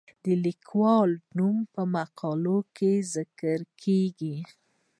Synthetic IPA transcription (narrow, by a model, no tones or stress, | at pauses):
d̪əlikʰwɑlnumpəmaqʰɑlokezɪkəɾkʰeɡi